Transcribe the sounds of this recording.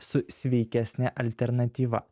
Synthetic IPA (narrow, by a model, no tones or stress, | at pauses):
sʊsʲʋʲɛɪkʲæsʲnʲæʔɐlʲt̪ʲɛɾnɐt̪ʲiːʋɐ̰